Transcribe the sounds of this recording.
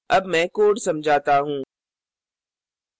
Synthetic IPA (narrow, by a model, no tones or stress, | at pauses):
ɐbmɛ̃ːkoːɽsɐmd͡ʑʱaːt̪aɦũː